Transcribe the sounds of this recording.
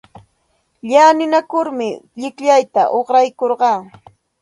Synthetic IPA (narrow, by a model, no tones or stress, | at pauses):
ʎaːnɪnakʊɾmɪʎɪkʎajt̪a̰ʔoχɾajkoɾɢɑː